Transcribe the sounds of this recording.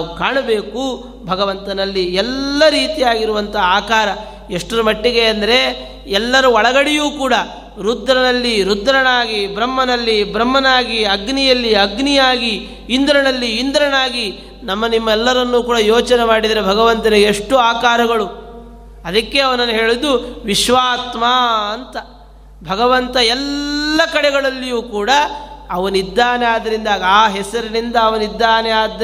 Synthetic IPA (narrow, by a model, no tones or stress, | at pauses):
aukaːɳɐbeːku | bʱɐɡɐʋɐnt̪ɐnɐlːiɛlːɐɾiːt̪ijaːɡiɾuʋɐnt̪ɐaːkaːɾɐ | eʂʈɐɾumɐʈːiɡe̞ɐnd̪ɐɾe̞ | ɛlːɐɾuɔɭɐɡɐɽɛjuːkuːɽɐ | ɾud̪ɾɐnɐlːiɾud̪ːɾɐnaːɡibɾɐmːɐnɐlːibɾɐmːɐnaːɡiɐɡnijɐlːiɐɡnijaːɡi | ind̪ɾɐnɐlːiːnd̪ɾɐnaːɡi | nɐmːɐnimːɐɛlːɐɾɐnːuːkuːɽɐjoːt͡ʃɐnemaːɽid̪ɐɾebʱɐɡɐʋɐnt̪ɐniɡeːʂʈuaːkaːɾɐɡɐɭu | ɐd̪ɐkːe̞ɐʋɐnɐnːɐɦe̞ːɭid̪uʋiʃʋaːt̪maːɐnt̪ɐ | bʱɐɡɐʋɐnt̪ɐɛlːɐkɐɽɛɡɐɭɐlːijuːkuːɽɐɐʋɐnid̪ːaːneaːd̪ɐɾind̪aːɡaːɦɛsɐɾinind̪ɐːʋɐnid̪ːaːnejaːd̪